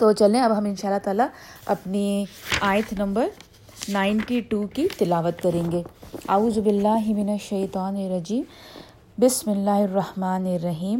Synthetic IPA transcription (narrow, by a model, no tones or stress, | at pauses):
t̪oːt͡ʃɐlẽɐbɦɐmɪnʃaːlːat̪aːlaɐpniaːjt̪ʰnɐ̃mbəɾ | naːɪnʈiʈuːkit̪ɪlaːʋət̪kɐɾẽːŋɡeːɐuːzbɪlːaːɦmɪnɐʃɐjt̪aːnɪɾɐd͡ʒiːm | bɪsmɪlːaːɦɪrːɐhmaːnɪɾːɐɦiːm